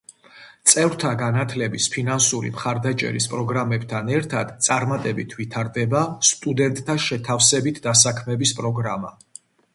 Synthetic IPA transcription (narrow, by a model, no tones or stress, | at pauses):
t̪sʼɛvɾt̪ʰaɡanat̪ʰlɛbispʰinansuɾḭmχaɾd̪at͡ʃʼɛ̰ɾispʼɾɔɡɾamɛbt̪ʰanɛɾt̪ʰad̪̥t̪sʼaɾmat̪ʼɛbit̪ʰvit̪ʰaɾd̪ɛbast̪ʼud̪ɛnt̪ʼt̪ʰːaʃɛt̪ʰafsɛbit̪ʰd̪asakʰmɛbispʼɾɔɡɾama̰